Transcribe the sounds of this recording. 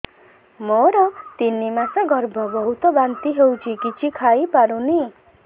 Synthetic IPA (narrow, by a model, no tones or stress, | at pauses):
moɾʌt̪inːimasʌ̃ɡʌɾbʱʌbʌɦut̪obant̪iɦewt͡ʃʰikit͡ʃʰikʰajpaɾũni